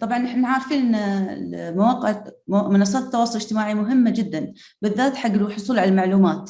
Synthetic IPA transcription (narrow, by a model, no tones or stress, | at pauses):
t̪ˤɑbʕɑnʔɪħnaʕaɾˤfiːnʔnnlmawaːqɪʕmɪnɑsˤːɑːt̪̚t̪ːɑwɑːsˤʊlɪd͡ʒt̪ɪmaːʕimʊɦɪmːad͡ʒɪd̪ːan | bɪðːaːt̪ħaɡːlħʊsˤuːlʕalalmaʕluːmaːt̪